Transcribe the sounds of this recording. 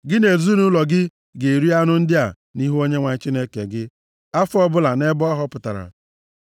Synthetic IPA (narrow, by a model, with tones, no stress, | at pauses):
ɡɪ˦ne˨zu˦nu˦lɔ˨ɡɪ˦ | ɡe˨ɾi˦a˦nʊ˦n̩˦dɪ˦a˨ | ni˦ɦu˦o˦ɲe˦ŋʷa˨ɲ˦t͡ʃi˦ne˦kḛ˨ɡɪ˦ | a˦fʊ˦ɔ˦bʊ˦la˨ne˦bɔ˦ɦɔ˦pʊ˨ta˨ɾa̰˨